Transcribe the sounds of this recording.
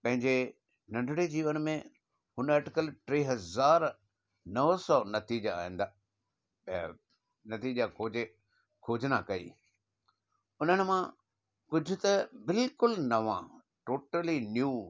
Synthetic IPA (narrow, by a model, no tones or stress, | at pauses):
pɐ̃ɦɪ̃ɲd͡ʑe | nɐ̃ɳɖʱɪɽed͡ʑiːʋənmẽ | hʊnɛːʈɪkəlʈɾeːɦɐzaːɾ | nɐʋsɔːnɐt̪iːd͡ʑaa̰ːɦĩːn̆d̪aː | nɐt̪iːd͡ʑakʰo | kʰoːd͡ʑnakɐḭː | ʊnənɪ̆mã | kʊd͡ʑʱʊ̆t̪ɐbɪlkʊlnɐʋã̰ | ʈoːʈəlinjuː